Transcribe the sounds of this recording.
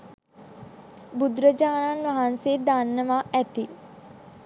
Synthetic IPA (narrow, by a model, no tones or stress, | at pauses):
bud̪ɾəd͡ʒaːnanʋaɦansed̪anːəʋaæt̪i